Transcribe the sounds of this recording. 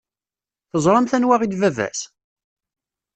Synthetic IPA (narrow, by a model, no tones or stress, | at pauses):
θəzˤɾˤɑmθænwaʁid̪vævæ̰s